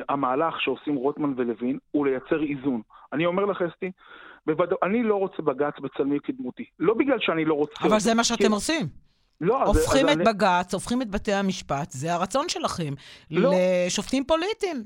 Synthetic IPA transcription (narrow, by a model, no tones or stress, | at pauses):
amaːlaχʃeo̞simʁot̪manvelevinulejat͡se̞ʁizunanio̞me̞ʁlaχest̪ibevad̪aʔanilo̞ʁo̞t͡sebaɡat͡sbet͡salmikid̪mut̪ilo̞biɡlalʃeanilo̞ʁot͡saevalzemaʃeat̪emʁot͡sim | lo̞aofχimebaɡat͡so̞fχimet̪bate̞amiʃpat̪zeaʁat͡so̞nʃe̞laχe̞mːeʃo̞ftimpo̞lit̪im